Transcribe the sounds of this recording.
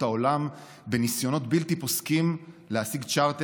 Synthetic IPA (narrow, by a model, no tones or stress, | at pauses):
ao̞lam | be̞nisjo̞no̞tbiltipo̞skimlehasiɡt͡ʃaʁt̪e